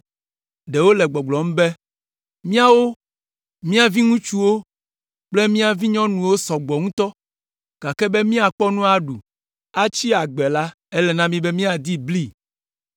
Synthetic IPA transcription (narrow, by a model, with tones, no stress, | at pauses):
ɖe˨wo˦lɛ˨ɡ͡bɔ˨ɡ͡blɔ˨m̩̃˦be˦ | mĩ˦a˦wo˦ | mĩ˦a˨vi˦ŋũ˦t͡ʃu˦wo˦ | k͡ple˦mĩ˦a˨vi˦ɲɔ̃˦nũ˨wo˦sɔ˨ɡ͡bɔ˨ŋũ˦t̪ɔ˦ | ɡ̥a˨kɛ˦be˦mĩ˦a˨k͡pɔ˦nũ˦a˦ɖu˨ | a˦t͡ʃi˦a˨ɡ͡bɛ˨la˦ | e˦lɛ˨nã˦mĩ˦be˦mĩ˦a˨d̪i˦bli˦